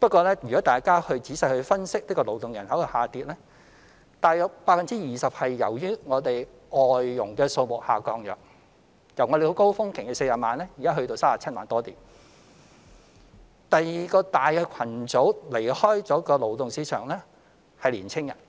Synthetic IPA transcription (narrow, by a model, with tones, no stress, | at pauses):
pɐ˥t̚kʷɔː˧lɛː˥jyː˨kɔː˨˥t̪aː˨jkaː˥hɵ˧ɥt͡siː˨˥sɐ˨˧jhɵ˧ɥfɐ˥nsɪ˥k̚t̪ɪ˥kːɔː˧lo˨˧wt̪ʊ˨ŋjɐ̰˨˩nɦɐ˨˥wkɐ˨˧haː˨t̪iː˧t̚lɛː˥ | t̪aː˨jœː˨k̚paː˧˥fɐ˨nt͡siː˥jiː˨sɐ˨p̚hɐ˨jːɐ̰˨˩wjyː˥ŋɔː˨˧t̪e˨j | ɔː˨jːʊ˨˩ŋkɛː˧so˧wmʊ˨k̚haː˨kɔː˧ŋjœ̰ː˨˩k̚ | jɐ˨˩wŋɔ˨˧ɾe˨˧ko˥wfʊ˥ŋkʰɪ˨˩ŋkɛ˨˩se˧jaː˨maː˨˧nlɛː˥jiː˨˩kaː˥ɦɵ˧ɥt̪o˧wsaː˥paː˨˩t͡sʰɐ˥t̚ma̰ː˨˧nt̪ɔː˥t̪iː˨m | t̪ɐ˨jiː˨˩kɔː˧t̪aː˨jkɛː˧kʷʰɐ˨˩nt͡so˨˥wle˨˩jhɔː˥jt͡sɔː˨˥kɔː˧lo˨˧wt̪ʊ˨ŋsiː˨˥t͡ʃʰœ̰ː˨˩ŋlɛː˥ | hɐ˨jliː˨˩nt͡sʰɪ˥ŋjɐ̰˨˩n